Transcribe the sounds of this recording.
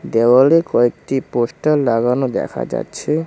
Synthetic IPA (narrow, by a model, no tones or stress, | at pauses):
d̪ewalekɔekʈiposʈalːaɡanod̪ɛ̰kʰa̰d͡ʑa̰tːɕʰe